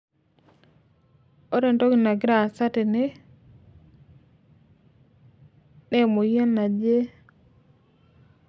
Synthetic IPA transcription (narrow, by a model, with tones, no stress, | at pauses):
o˦ɾe˨nto˦ɡi˨na˨ɡi˦ɾa˨sa˦te˨ne˦ | ne˦mo˨ja˦nːa˨d͡ʒe˦